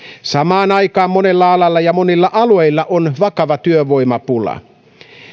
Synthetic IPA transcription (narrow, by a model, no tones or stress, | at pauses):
sɑmɑːnɑikɑːmːone̞lːɑɑlɑlːɑjɑmo̞nilːɑʔɑlueilːɑʔonʋɑkɑʋɑt̪yøʋo̞imɑpulɑ̰